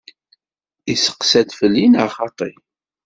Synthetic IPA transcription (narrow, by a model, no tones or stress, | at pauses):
isə̥qsæd̪fəlːinəʁχɑt̪ˤi